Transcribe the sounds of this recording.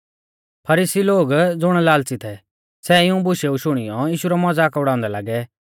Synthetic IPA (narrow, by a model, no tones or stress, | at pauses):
pʰɐɾiːsiloːɡd͡zʊɽ̃laːlt͡sit̪ʰɛ | sɛɪũbʊʃɛuʃʊɽ̃ɪjɔjiːʃuɾamɔd͡zakɐbɽaːʊ̃nd̪ɛla̰ɡɛ